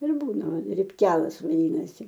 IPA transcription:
ɪr ˈbuːnɐ rʲɪpʲˈkʲæːlˠɐs ʋɐˈdʲiːnɐsʲɪ

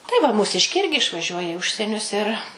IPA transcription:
tɐɪ ʋɐ muːˈsʲɪʃʲkʲɛɪ ˈɪrʲɡʲɪ ɪʃʋɐˈʒʲuɔjɛ ɪ ˈʊʃʲsʲiɛnʲʊs ɪr

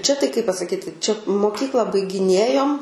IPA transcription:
ˈt͡ʃʲɛ tɐɪ kɐɪ pɐsɐˈkʲiːtʲɪ ˈt͡ʃʲɛ moːˈkʲiːklˠɐ bɐɪɡʲɪˈnʲeːjoːm

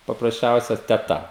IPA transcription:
pɐprɐsʲˈt͡ʃʲɛʊsʲɛ tʲɛˈtɐ

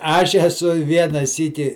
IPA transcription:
ˈɐʃ ɛˈsʊ ɪ ˈʋʲiɛnɐ ˈsʲiːkʲɪ

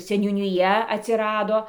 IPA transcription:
sʲɛnʲuːnʲɪˈjɛ ɐtʲsʲɪˈrɑːdoː

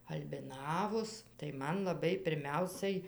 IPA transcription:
ɐlʲbʲɪˈnɑːʋoːs tɐɪ ˈmɐn lˠɐˈbɐɪ pʲɪrʲˈmʲɛʊsɐɪ

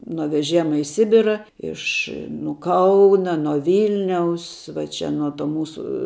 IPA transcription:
nuɔ ʋʲɛˈʒʲeːmɐ ɪ ˈsʲɪbʲɪrɐ ˈɪʃ nʊ ˈkɐʊnɐ nuɔ ˈʋʲɪlʲnʲɛʊs ʋɐ ˈt͡ʃʲɛ nuɔ ˈtoː ˈmuːsʊ

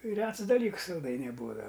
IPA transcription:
ˈrʲɛts dɐˈlʲiːks sɐlˠˈdɐɪnʲɛɪ ˈbuːdɐʋɐ

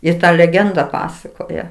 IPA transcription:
ɪr ˈtɐ lʲɛˈɡʲɛndɐ ˈpɑːsɐkoːjɛ

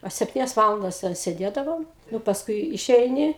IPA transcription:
ɐ sʲɛpʲˈtʲiːnʲɛs ˈʋɑːlˠɐndɐs tʲɛn sʲɛˈdʲeːdɐʋoːm ˈnʊ pɐsˈkʊɪ ɪˈʃʲɛɪnʲɪ

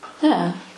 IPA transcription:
ˈnʲɛɛ

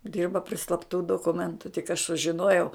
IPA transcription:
ˈdʲɪrbɐ pʲrʲɪ slˠɐpˈtuː doːkʊˈmʲɛntʊ tʲɪk ɐʃ sʊʒʲɪˈnoːjɛʊ

